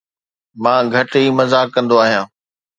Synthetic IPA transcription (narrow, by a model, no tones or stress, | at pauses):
mãːɡʱɐʈɦiːmɐzaːkːɐ̃nd̪oaːɦijãː